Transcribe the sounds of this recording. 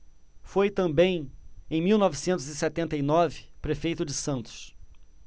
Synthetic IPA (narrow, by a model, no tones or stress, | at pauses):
fojt̪ɐ̃mbẽj̃ẽj̃miwnɔvɪsẽnt̪ʊzɪsɛt̪ẽnt̪ɐjnɔvɪpɾefejt̪ʊd͡ʒɪsɐ̃nt̪ʊ̥s